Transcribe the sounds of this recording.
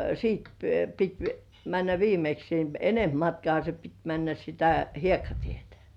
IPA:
siːt pit mænːæ ʋiːmeks ni enemp mɑtkŏɑˑhɑ se pit mænːæ sitæ hiekːɑtietæ̥

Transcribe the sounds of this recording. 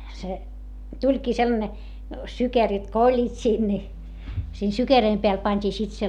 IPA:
se tulʲkiː selːɑne sykerit ko olʲːiːt siːn ni siːn sykerøim peæl pɑnʲtʲiː sit se

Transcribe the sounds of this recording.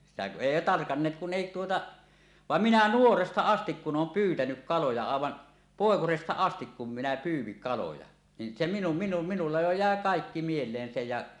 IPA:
sitæ ku ʔeˑi tɑrkɑnːeːt kun eˑi tuotɑ ʋɑm minæ nuorestɑ ɑstik kun ʔoːm pyːtænyk kɑlojɑ ɑˑeʋɑn poˑekosestɑ ɑstik kum minæ pyːw̆ʋiŋ kɑlojɑ nin se minu minu minulːɑ jo jæˑe kɑˑekːi mielˑeːn se jɑ

